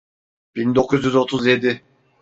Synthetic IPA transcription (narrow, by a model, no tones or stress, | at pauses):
b̥ind̪o̞kʰuzjyzo̞t̪ʰuzje̞d̪ɪ